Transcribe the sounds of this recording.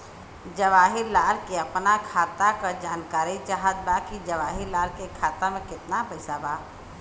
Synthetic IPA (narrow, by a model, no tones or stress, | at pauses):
d͡ʒəʋaːɦɪɾlaːlkeɐpnakʰaːt̪akad͡ʒaːnkaːɾit͡ʃaɦət̪̚bakid͡ʒəʋaːɦilaːlkekʰaːt̪amẽkɪt̪napəɪsabaː